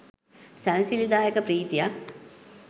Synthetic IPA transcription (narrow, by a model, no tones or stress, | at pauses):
sænsilid̪aːjekəpɾiːt̪ijak